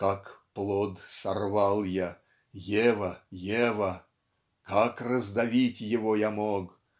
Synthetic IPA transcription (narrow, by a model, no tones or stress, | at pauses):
kakplˠod̪sarvɑlˠja | jevəjevɐ | kakrəzd̪ɐvʲitʲjɪvojamok